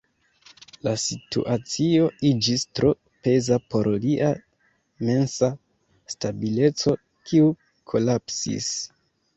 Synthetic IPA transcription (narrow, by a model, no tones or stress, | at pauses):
lasitṵʔat͡sio̞id͡ʒistɾʔo̞ | pe̞zapo̞ɾliʔa | me̞nsa | stabile̞t͡so̞ | kʰiu | kʰo̞lapsḭs